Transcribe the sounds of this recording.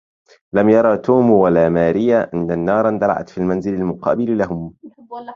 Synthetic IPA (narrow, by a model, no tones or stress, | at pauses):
lamjɑɾˤɑːt̪uːmwalaːmaːɾɪjaʔanːanːɑːɾˤnd̪ɑla̰ʕa̰t̪fiːlmanzɪlalmʊqʰɑ̰ːbɪllaɦʊm